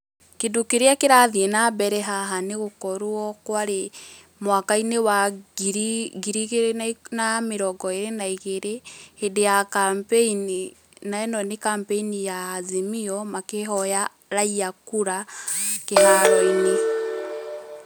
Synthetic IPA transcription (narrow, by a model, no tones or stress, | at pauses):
kedokeɾeakeɾaðienabɛɾɛɦaɦaneɣokɔɾuɔkwaɾe | mwakainewaɡiɾiɡiɾiɣeɾnnameɾɔɡɔeɾenaiɣeɾehedejakampeini | naɛnɔnekampeinijaːzemiɔmakeɦɔja | ɾaiakuɾakehaɾɔine